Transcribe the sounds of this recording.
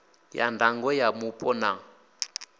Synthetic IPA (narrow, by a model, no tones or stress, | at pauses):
ja̰ndaŋɡɔjamupʼɔna